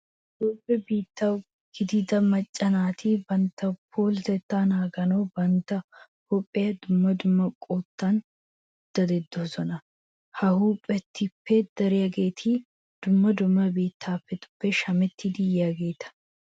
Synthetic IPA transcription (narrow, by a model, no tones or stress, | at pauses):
d̪oːpʼːɛbiːt̪ːɐw | ɡ̥ɪd̪ɪd̪ɐmɐt͡ʃʼːɐnaːt̪ʰibɐnt̪ːɐpʰoːlt̪ɛt̪ːaːnaːɡɐnoːbɐnt̪ːɐ | hupʼːɪjɐd̪ʊmːɐd̪ʊmːɐkʼoːt̪ːɐn | d̪̥ɐd̪ɛd̪ːosɔnɐ | hɐhuːpʼːɛt̪ːɪpːed̪̥ɐɾɪjɐɡe̞ːt̪ʰiː | d̪̥ʊmːɐd̪ʊmːɐbiːt̪ʰːaːfːɛt̪ʊ̥bːɛʃɐmɛt̪ːɪd̪ɪjɐɡeːt̪ʰɐ̥